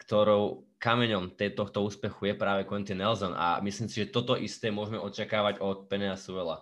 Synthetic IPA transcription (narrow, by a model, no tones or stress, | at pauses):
kt̪ɔɾɔʊ | kamɛɲɔmt̪ɛt̪ɔxt̪ɔuːspɛxujɛpɾaːʋɛkɔɛnt̪inɛlzɔna̰mislimsiʒɛt̪ɔt̪ɔʔist̪ɛːmʊɔʒmɛʔɔt͡ʃakaːʋaɟɔt̪̚pɛnɛasuʋɛla̰